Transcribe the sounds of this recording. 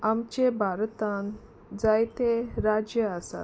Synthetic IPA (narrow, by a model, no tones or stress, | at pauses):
amt͡ɕebʱaɾt̪ãn | d͡zajt̪eɾad͡ʑjəasa̰